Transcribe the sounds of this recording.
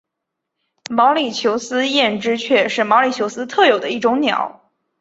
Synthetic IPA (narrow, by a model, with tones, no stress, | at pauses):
mɑ˧˥ʊli˨˩t͡ɕʰjo˧˥ʊsɹ̩˥jɛ˥˩nʈ͡ʂɻ̩˥t͡ɕʰɥɛ˥˧ʂɻ̩˥˩mɑ˧˥ʊli˨˩t͡ɕʰjo˧˥sɹ̩˥t̪ʰɤ˥˩jo˨˩ʊd̪ə˦i˥˩ʈ͡ʂʊ˧˥ŋnjɑ̰˨˩˦ʊ